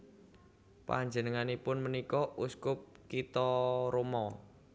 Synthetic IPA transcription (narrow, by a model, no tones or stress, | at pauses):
pa̰ɲd͡ʒənəŋanipʊnmənikɔʔuskʊp̚kit̪ɔɾomɔ